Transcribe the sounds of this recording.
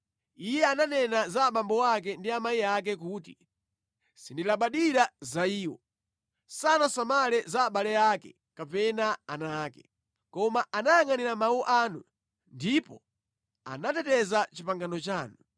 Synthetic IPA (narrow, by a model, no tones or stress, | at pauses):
ijɛananɛnazaːɓambɔwak̬ɛndiamaiak̬ɛk̬uːti | sindilaɓaɗiɾazaiːwɔ̰ | sanasamalɛzaːɓalɛakɛ | kapɛnaanaːkɛ | kɔmaanaaŋaniɾamawɔʔaːnu | ndipɔ | a̰natɛtɛzat͡ʃipaŋɡanɔt͡ʃaːnu